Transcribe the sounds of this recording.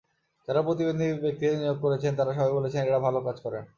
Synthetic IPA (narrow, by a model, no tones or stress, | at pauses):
d͡ʑaɾapɾot̪ibend̪ʱibek̚t̪ienijoɡ̚koɾet͡ɕʰent̪aɾaʃ̬ɔbʱajbolet͡ɕʰeneʈabʱalokad͡ʑkɔɾen